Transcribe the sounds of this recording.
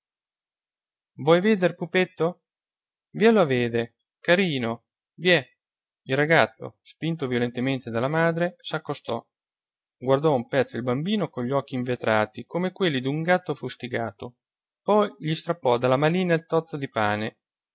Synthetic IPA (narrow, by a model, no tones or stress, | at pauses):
vwɔjveːd̪erpupet̪ːo | viɛloaveːd̪e | kaɾiːno | vjɛ | ilrːaɡat̪sːo̰spint̪ovjolent̪ement̪ed̪alːamaːd̪ɾesakːost̪ɔ | ɡward̪ɔumpɛt̪sːoilbambiːnokoʎːɔk̟ːiːɱvet̪ɾaːt̪ikomekwelːid̪uŋɡat̪ːofust̪iɡaːt̪o | pɔjʎist̪ɾapːɔd̪alːamaliːnailt̪ɔt̪sːod̪ipaːne